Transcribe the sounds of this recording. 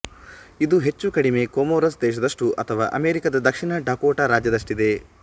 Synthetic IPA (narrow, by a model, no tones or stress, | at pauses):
id̪uɦe̞t͡ʃːukɐɽime̞koːmoːɾɐsd̪ɛːʃ̬ɐd̪ɐʂʈuʔɐt̪ʰɐʋa̰ːʔɐmeːɾikɐd̪ɐd̪ɐkʂiɳɐɖaːkoːʈaɾaːd͡ʒjɐd̪ɐʂʈid̪e̞